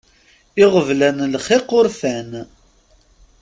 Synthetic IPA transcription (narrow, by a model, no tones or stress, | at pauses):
ɪʁəvlænlχɪqːʊɾfæn